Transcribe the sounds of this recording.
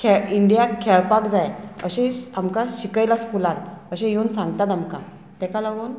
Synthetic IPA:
kʰeiɳɖijakʰɛɭpakd͡zajə̰ɕɛ̃amkãɕikəjlaskulãnəɕɛ̃jeunsãŋɡt̪at̪amka | t̪ɛ̃kalaɡuːn

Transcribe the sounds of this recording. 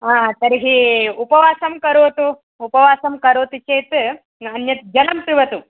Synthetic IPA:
aːt̪ɐɾiɦiupɐʋaːsɐmkɐɾoːt̪u | upɐʋaːsɐmkɐɾoːt̪ut͡ʃeːt̪ | ɐnjɐt̪̚d͡ʒɐlɐmpɾiʋɐt̪u

